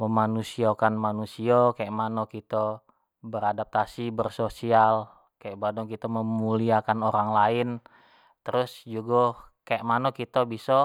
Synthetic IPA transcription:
məmanusiakanmanusiakajaʔmanokit̪ə | bəɾadap̚t̪asibərsosial | kajaʔbadɔŋkit̪aməmuliakanoɾaŋlaɪn | t̪əɾʊsd͡ʒuɡɔ | kajaʔmanɔkit̪əbisɔ

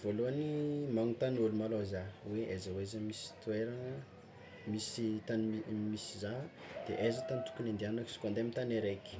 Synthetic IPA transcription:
voluanimaŋut̪anulumalozaweʔezəwezəmisi̥t̪ueɾaŋə | misit̪aniimisizad̪̥eʔezət̪anit̪u̥kunind̪ianaki̥si̥kand̪emit̪aneɾeki̥

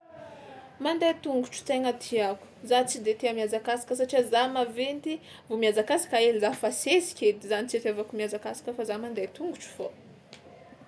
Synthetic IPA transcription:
mand̪ajt̪uŋɡuʈ͡ʂu̥t͡sajŋat̪ʰiaku̥zat͡sid̪et̪eamjad͡zakasḁkəsaʈ͡ʂiazamavent̪i | vomiad͡zakasḁkaelizafasesi̥kʲed̪izanit͡siet̪avakumiad͡zakasḁkʲəfazamand̪ajt̪uŋɡuʈ͡ʂu̥fo

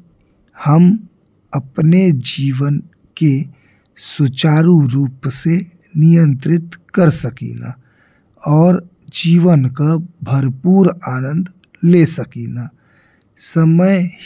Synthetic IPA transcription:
həm | əpned͡ʒiːʋən | ke | sʊt͡ʃaːɾuɾuːpse | nijə̃nt̪ɾɪt̪kəɾsəkḭːna̰ | ɔːɾ | d͡ʒiːʋənkabʱəɾpuːɾaːnə̃nd̪ʱ | leːsəkinaː | səməj

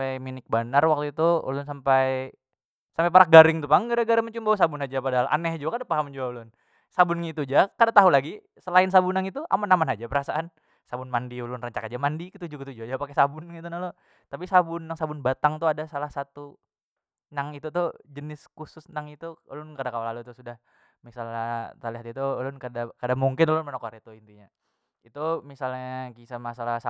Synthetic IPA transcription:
aminɪk̚banarwak̚t̪uit̪uṵlʊnsampaj | sampajpaɾaɡaɾɪŋt̪upaŋɡaɾaɡaɾɪŋməɲt͡ʃumbausabʊnɦad͡ʒapadaɦalʔa̰nɛhd͡ʒuakadapaɦamd͡ʒuaulʊn | sabʊnŋit̪ud͡ʒakadaʔt̪aɦulaɡi | səlaɪnsabunaŋit̪uʔa̰manamanad͡ʒapəɾasaʔan | sabʊnmandiulʊnrəɲt͡ʃakad͡ʒamandikit̪ud͡ʒuɡit̪̬ud͡ʒuad͡ʒapakesabʊnŋit̪̬unalo | t̪ap̬isabʊnːaŋsabʊnbat̪aŋt̪uadasalahsat̪u | naŋit̪ut̪ʊhd͡ʒənɪskusʊsnaŋit̪ulʊnkadakawalalut̪usudah | misalat̪aliɦat̪it̪ulʊnkadakadamuŋkɪnlʊnmənokoɾet̪uint̪iɲa | it̪umisalɲakisamasalasa

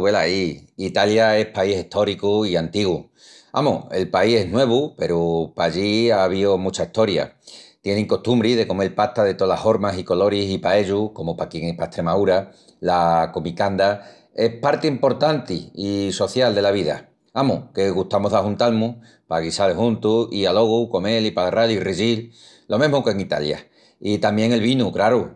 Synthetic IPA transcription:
βelaiit̪aljae̞hpaise̞ht̪ʰo̞ɾikuiant̪iɣ̞u | a̰mṵe̞lpaihe̞ɦnwe̞β̞upe̞ɾupaʎiaβ̞io̞mut͡ʃaiht̪o̞ɾja̰t̪je̞nẽŋko̞ht̪umbɾiðe̞ko̞moelpat̪aðe̞t̪olaho̞ɾmasiko̞lo̞ɾisipae̞ʎuko̞mopakjeŋehpaeht̪ɾe̞mauɾa | lakomikand̪a | e̞hpaɾt̪eimpo̞ɾt̪ant̪iːso̞θjald̪e̞laβiða̰ | amuke̞ɣuht̪amoɦðaɦunt̪almu | paɣisaleɦunt̪uialo̞ɣ̞uko̞ŋe̞lipalraðjuiriʝil | lo̞meɦmuke̞ŋit̪a̰lja̰ | it̪amje̞ŋe̞lβinukɾaɾu

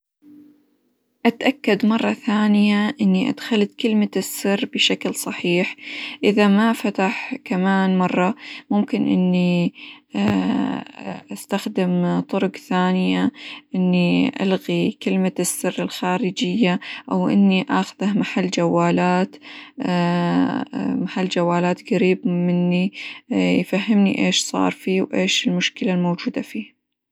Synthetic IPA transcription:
ʔat̪ʔakːad̪mɑrˤːɑθaːnɪjaʔɪnːiʔa̰d̪xalt̪kɪlmasːɨrːbɪʃaklsˤɑħiːħʔɪðamafat̪aħkamaːnmɑrˤːɑmʊmkɪnʔɪ̰nːi | ʔast̪axd̪ɪmt̪ˤʊɾʊqθaːnɪjaʔɪnːiʔa̰lɣikɪlmasːɪrːɪlxaːɾɪd͡ʒɪjːaʔawʔɪ̰nːiʔaːxʊðahmaħalːd͡ʒawːaːlaːt̪ː | maħalːd͡ʒawːaːlaːt̪ɡaɾiːbmɪnːi | jfahːɪmniʔeːʃsˤɑ̰ːɾˤfiːwʔeːʃɪlmʊʃkɪlalmoːd͡ʒuːd̪afiː

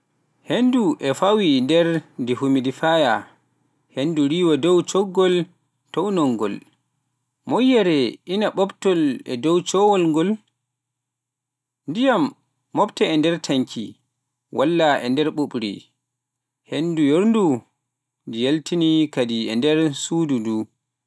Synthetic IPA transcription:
henduʔɛfawindɛɾdihumidifaja | henduɾiːwadɔwt͡ʃɔɡːɔl | tɔwnɔŋɡɔ̰l | mɔjːɛɾɛʔinaɓɔbtɔlɛ̰dɔwt͡ʃɔwɔlŋɡɔl | ndijamː | ɔbtɛɛndɛɾtʰaŋkʰḭ | wʔalːaʔɛ̰ndɛɾɓuɓɾḭ | hendujoɾndu | dijeltinikadiɛndɛɾsududu

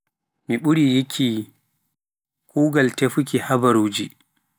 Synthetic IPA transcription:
miɓuɾijikʰːi | kʰuːɡaltefukihabaɾuːd͡ʒi

